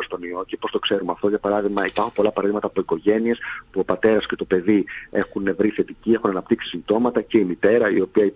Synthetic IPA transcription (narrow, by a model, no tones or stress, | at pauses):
ost̪o̞nio̞cepo̞st̪o̞kse̞ɾumeɐft̪o̞ʝɐpɐɾɐðiɣmɐipaɐɾxumpo̞lɐpɐɾɐðimɐt̪ɐːpo̞iko̞ʝe̞nie̞spuo̞pɐt̪e̞ɾɐsce̞t̪o̞pe̞ðie̞xunevɾiθe̞t̪icie̞xunɐnɐpt̪iksi̥simt̪o̞mɐt̪ɐce̞imit̪e̞ɾɐio̞piɐi